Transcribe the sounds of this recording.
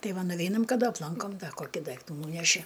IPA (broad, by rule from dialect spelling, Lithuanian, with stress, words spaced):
ˈtɐɪ ˈʋɐ nʊˈʋʲɛɪnɐm kɐˈdɐ ɐpˈlˠɐŋkoːm ˈdɐ ˈkoːkʲɪ ˈdɐɪktuː ˈnuːnʲɛʃʲɪ